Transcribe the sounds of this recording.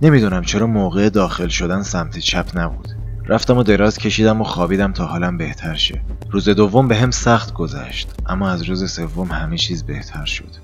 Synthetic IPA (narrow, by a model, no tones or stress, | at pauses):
ne̞mid̪uːnæmt͡ʃʰeɾɒːmoːɣeed̪ɒːxelʃo̞d̪ænsæmt̪ʰet͡ʃʰæpʰnæbṵːd̪̥ | ɾʔæft̪æmod̪e̞ɾɒːzcʲʰe̞ʃiːd̪æmoxɒːbiːd̪æmt̪ʰɒːhɒːlæmbe̞ht̪ʰæɾʃḛruːze̞d̪ovːo̞mbe̞ɦemsæχt̪ɡo̞zæ̰ʃt̪ʔæmːɒːæzɾuːzese̞vːo̞mhæmet͡ʃʰiːzbe̞ht̪ʰæɾʃo̞̰d̪̥